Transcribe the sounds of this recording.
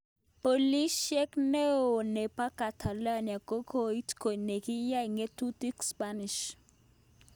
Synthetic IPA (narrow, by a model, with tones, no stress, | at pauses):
po˨li˦ʃɛ˦kne˦o˨ne˨pa˦ka˨tʰa˨la˦˨nja˨ko˦kʰo˦i˦tko˨ne˨ki˦ja˦i˨ŋe˦tu˦ti˦kspa˦nɪ˨ʃ